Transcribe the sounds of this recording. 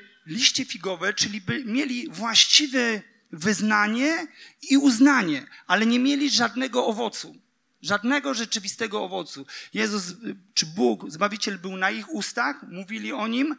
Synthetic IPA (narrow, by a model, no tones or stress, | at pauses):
lʲiɕt͡ɕɛfʲiɡɔvɛt͡ʂɘlʲibɘmʲjelʲivwaɕt͡ɕivɛ | vɘznaɲɛiuznaɲɛalɛɲɛmʲjelʲiʐad̪nɛɡɔɔvɔt̪su | ʐad̪nɛɡɔʐɛt͡ʂɘvʲist̪ɛɡɔɔvɔt̪sujɛzuzt͡ʂɘbukzbavʲit͡ɕɛlbɘwnaixust̪axmuvʲilʲiɔɲim